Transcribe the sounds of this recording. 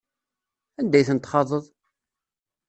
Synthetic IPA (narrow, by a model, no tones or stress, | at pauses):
ænd̪æjθənt̪ːχɑðˤəðˤ